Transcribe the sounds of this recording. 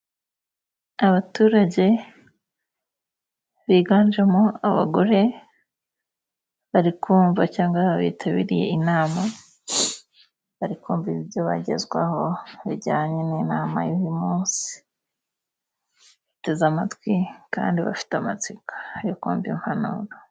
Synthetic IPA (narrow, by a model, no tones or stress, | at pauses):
aβatuːɾaɟe̞ | βiːɡaːnd͡ʒemoaβa̰ɡo̞ɾe̞ | βaɾikʰuːɱvacaːŋɡaβḭːtʰaβḭɾije̞̰inaːma | βaɾikuːɱviβjoβa̰ɟe̞̰zɡwa̰ho̞βḭɟaːɲeninaːma̰juwimuːnsi̥ | iitezamatwika̰ːndiβa̰fi̥teamat͡sikḁjokṵːmviimhanṵːɾa